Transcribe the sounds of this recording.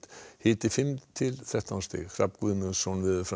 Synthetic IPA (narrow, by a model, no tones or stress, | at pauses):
t̪hɪːt̪ɪfɪmt̪ʰɪlθɾɛht̪awnst̪ɪ̰ɣhʰɾa̰pkvʏðmɪɣsonvɪðʏfɾa